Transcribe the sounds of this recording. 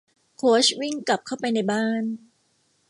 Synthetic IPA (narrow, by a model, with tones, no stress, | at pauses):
kʰoː˦˥swi˥˩ŋka˨˩p̚kʰa˥˩wpa˧jna˧jbaː˥˩n